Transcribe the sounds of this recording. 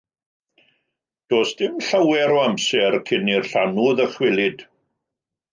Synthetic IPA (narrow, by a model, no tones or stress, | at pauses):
d̥oːsd̥ɪmɬawɛɾoamsɛrkʰɪnirɬanuðəχwɪlɪd